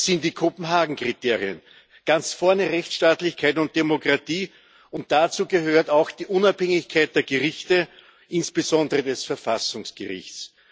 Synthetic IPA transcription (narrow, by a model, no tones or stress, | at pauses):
sɪntd̥iːkʰopm̩ɦaːɡŋ̩kʁ̥itʰeːʁiə̰n | ɡ̥ant͡sfɔɐnəʁɛçt͡sʃtaːtlɪçkʰaɪtʊnt̚d̥emokʁatiː | ʊnt̚d̥at͡suːɡəɦøːɐtaʊxd̥iːʔʊnaphɛŋɪçkʰaɪt̚d̥eːɐɡəʁɪçtə | ʔɪnsb̥əzɔ̃ndəʁədɛsfɛɐfasʊŋsɡ̥ə̰ʁɪ̰çtt͡s